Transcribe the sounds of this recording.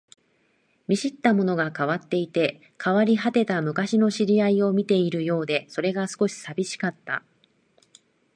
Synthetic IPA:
mʲiɕit̪ːamo̞no̞ɡakaβat̪ːe̞it̪e̞ | kʰaβaɾʲiɦat̪e̞t̪amɯ̟kaɕino̞ɕiɾʲiaio̞mʲit̪e̞iɾɯ̟jo̞ːd̪e̞so̞ɾe̞ɡasɨ̥ko̞ɕi̥sabʲiɕi̥kat̪ːa̰

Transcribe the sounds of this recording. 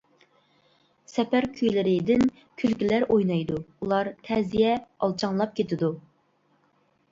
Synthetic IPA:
sɛpæɾkʲʰyjlɪɾɪd̪ɪn | kʲʰylkʲilæɾʔojnɑjd̪uulˠɑɾt̪ʰɛzijɛɑlˠt͡ʃʰɑŋlˠɑp̚kʲʰet̪ɪd̪u

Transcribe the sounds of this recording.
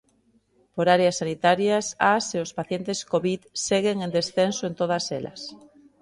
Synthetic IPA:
poɾaɾeasːanit̪aɾjasaseʊspaθjent̪eskoβiðseɣeŋẽnd̪esθensoent̪oð̞ɐsḛlɐ̰s

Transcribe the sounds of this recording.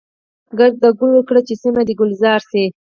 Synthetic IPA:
ɡaɾd̪aɡʊlwəkɽat͡ʃesimad̪iɡʊlzɑɾse

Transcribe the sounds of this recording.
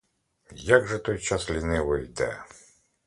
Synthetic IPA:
jaɡʐɛt̪ɔjt͡ʃaslʲinɪʋɪjd̪ɛ̰

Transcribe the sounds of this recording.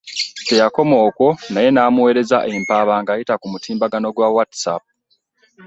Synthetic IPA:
te̞jako̞mo̞ːko̞naje̞naːmuwe̞ɾe̞zaʔe̞mpaβaŋɡajitakumutʰiːmbaɡano̞ɡwawatsa̰p̚

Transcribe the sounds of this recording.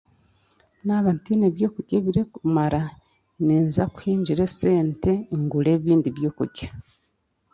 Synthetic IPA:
naβantineβjo̞ːkuɟeβiɾekumaɾa | niːnzaku̥hiːɲɟiɾese̞ːnte̞ŋɡule̞ːβiːndiβjo̞ːkṵɟḁ

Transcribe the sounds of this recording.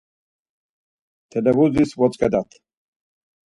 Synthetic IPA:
t̪ʰɛlɛvuzisvɔt͡sʼkʼɛd̪at̪ʰ

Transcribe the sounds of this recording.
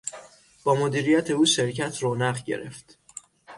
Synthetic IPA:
b̥ɒːmod̪iːɾijæt̪ʰe̞uːʃe̞ɾcʰæt̪ʰroːnæɣɟḛɾe̞̰ft̪

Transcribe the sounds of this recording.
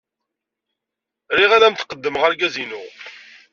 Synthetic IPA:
riʁalæmt̪qəd̪ːəmʁəɾɡæzinu

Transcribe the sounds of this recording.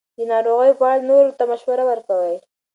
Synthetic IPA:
d̪ənɑɾoɣəjopəaɽanoɾot̪amaʃwaɾawəɾkawəj

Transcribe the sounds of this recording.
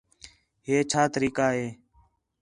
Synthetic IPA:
ɦeːt͡ʃʰaːt̪əɾiːkaːɦeː

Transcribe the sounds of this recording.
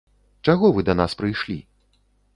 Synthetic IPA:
t͡ʂaɣɔvɨd̪ɐnaspɾɨjʂlʲḭ

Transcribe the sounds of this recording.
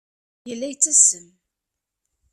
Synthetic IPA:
jəlːæjt͡sːæsən

